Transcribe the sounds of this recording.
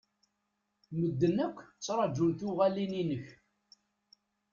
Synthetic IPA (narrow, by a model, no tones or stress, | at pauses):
məd̪ːənækʷːt͡sːɾˤɑd͡ʒuɾθʊʁælininəç